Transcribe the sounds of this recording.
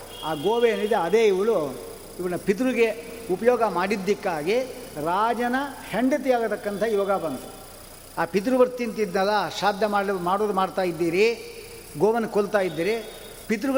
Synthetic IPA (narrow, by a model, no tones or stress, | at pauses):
aːɡoːʋeɐnid̪eɐd̪eːiʋɐɭu | iʋɐɭnɐpit̪̬ɾuɡe | upɐjɔːɡɐmaːɽid̪ːikːaːɡiɾaːd͡ʒɐnɐheɳɖɐt̪̬iaːɡɐt̪ɐkːɐnt̪ʰɐjɔɡɐbɐnd̪u | aːpit̪̬ɾuʋɐɾt̪int̪id̪nɐlːɐʃaːd̪ʱjɐmaːmaːɽoːd̪umaːɖt̪aːjid̪ːiːɾi | ɡoːʋɐnɐkolt̪aːjid̪ːiːɾi | pit̪̬ɾuɐ